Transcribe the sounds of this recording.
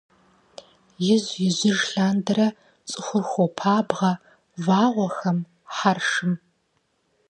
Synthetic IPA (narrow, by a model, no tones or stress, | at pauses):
jɪzjɪʑɪʒɬaːndɐɾɐ | t͡sʼɨxʷʊrxʷopʰaːbʁɐ | vaːʁʷɔxɐm | ħarʂɨm